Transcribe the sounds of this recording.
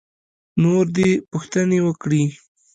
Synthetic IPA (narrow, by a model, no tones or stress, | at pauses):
noɾd̪epʊxt̪ənewəkɽi